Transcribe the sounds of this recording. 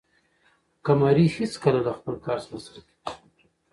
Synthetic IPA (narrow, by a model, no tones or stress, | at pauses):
kamɑɾihɪskəlalaxpəlkɑɾsənasaɾaki̥